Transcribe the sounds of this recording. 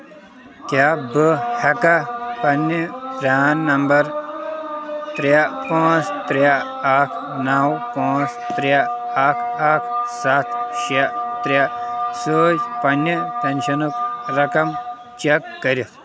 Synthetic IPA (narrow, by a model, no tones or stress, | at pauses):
kʲaːbɨhɐkɐpɐnɐpɾʲaːnːɐmbɐɾ | t̪ɾjapãːt͡ʃt̪ɾja | akʰ | nawpãːst̪ɾja | ɐkʰakʰsat̪ʰʃiat̪ɾjasəːd͡ʒpɐnːɐt̪ɐnʃɐnukɾɐkɐm | t͡ʃɐkːɐɾi